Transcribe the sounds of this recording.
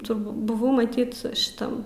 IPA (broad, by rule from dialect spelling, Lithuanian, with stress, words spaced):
tʊrˈbuː bʊˈʋɐʊ mɐˈtʲiːt ʃʲɪˈtɐm